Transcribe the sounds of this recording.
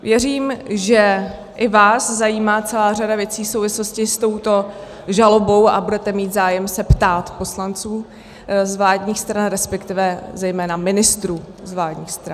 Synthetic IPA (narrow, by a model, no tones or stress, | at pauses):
vjɛriːmʒɛ | ʔɪvaːszajiːmaːt͡sɛlaːr̝adavjɛt͡siːsowvɪsloscɪst̪o̞wt̪o̞ | ʒalo̞bo̞wʔa̰budɛt̪ɛmiːt̪zaːjɛmsɛpt̪aːt̪po̞slant͡suː | zvlaːdɲiːxst̪ɾanɾɛspɛkt̪ɪvɛzɛjmɛːnamɪnɪst̪ɾuː | zvlaːdɲiːxst̪ɾa